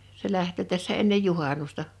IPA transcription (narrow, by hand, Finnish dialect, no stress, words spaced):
se læhtøˑ tæsːæ enːej juhɑnustɑ